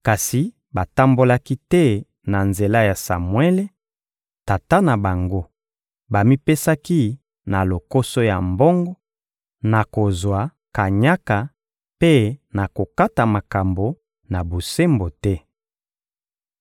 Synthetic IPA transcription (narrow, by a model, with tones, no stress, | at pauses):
ka˨si˨ | ba˨ta˦mbo˦la˦ki˦tɛ˦ | na˨nze˨la˦ja˨sa̰˨mwe˦le˦ | ta˨ta˦na˨ba˨ŋɡo˦ | ba˨mi˦pe˦sa˦ki˦ | na˨lo˨ko˦so˦ja̰˨mbɔ˦ŋɡɔ˦ | na˨ko˨zwa˨ | ka˨ɲa˦ka˨ | pe˦na˨ko˨ka˦ta˨ma˨ka˨mbo˨ | na˨bo˨se˦mbo˨tɛ˦